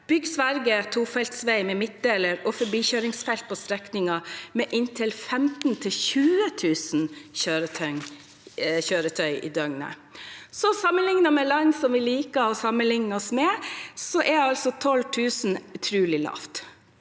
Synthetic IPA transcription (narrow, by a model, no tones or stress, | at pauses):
b̥ʏɡsʋæɾɡət̪ʰuːfɛlt̪sʋæɪmɛmɪt̪̚d̪eːləɾɔfɔɾbiːçøːɾɪŋsfɛlt̪̚pʰɔst̪ɾɛknɪŋɑmɛʔɪnt̪ʰɪlfɛmt̪n̩t̪ʰɪlçʉːət̪ʰʉːsn̩çøːɾət̪ʰœŋ | çøːɾət̪ʰœʏʔḭːd̪œŋnə̰ | sɔsɑmːənlɪŋnɑmɛlɑnsɔmʋɪliːkəɔsɑmːənlɪŋnəɔsmɛsɔʔɛɑlsɔt̪ʰɔlt̪ʰʉːsn̩ʉt̪ʰɾʉːlɪlɑ̰ːft̪